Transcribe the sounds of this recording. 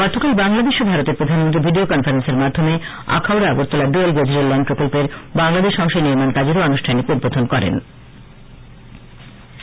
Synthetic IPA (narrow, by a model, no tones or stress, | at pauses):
ɡɔɾt̪ʰːokalbaŋlad̪eʃobʱaɾot̪eɾpɾod̪ʱanmont̪ɾibʱiɖiokɔnfaɾenseɾmad̪ʱːome | a̰kʰawɾaaɡoɾt̪ʰːolaɖuelɡed͡ʑoɾelːɛnɖpɾokolpeɾbaŋlad̪eʃɔŋʃaniɾmankad͡ʑeɾoanuʃʈʰanikud̪̚bod̪ʱonkɔɾḛn